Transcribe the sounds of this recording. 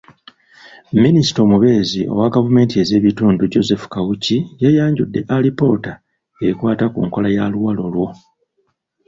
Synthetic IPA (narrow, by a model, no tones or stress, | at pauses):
minisi̥to̞muβe̞ːziʔo̰waɡavume̞ːntie̞ze̞ːβituːnduɟo̞ze̞fu̥kawucijajaːɲɟudːe̞ʔalipo̞ta | ejikwaːtakṵːŋko̞lajaluwalo̞lwo̞